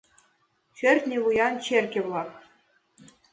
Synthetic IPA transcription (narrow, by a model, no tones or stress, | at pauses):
ɕørʲt̪ʲnʲeβujɑnt͡ɕerkʲĕβlˠɑk